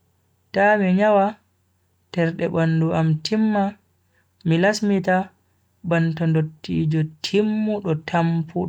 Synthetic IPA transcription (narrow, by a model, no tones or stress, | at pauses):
tamiɲawa | tɛɾɗɛbanːduʔamtʰimːa | milasmita | bantɔndotːḭd͡ʒɔtʰimːuɗɔtʰampʰuɗɔ